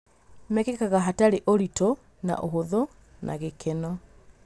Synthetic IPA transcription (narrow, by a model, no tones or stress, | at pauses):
mɛkekaɣaɦataɾeʔoɾito | na̰ʔoɦoðo | nʔa̰ɣekʰenɔ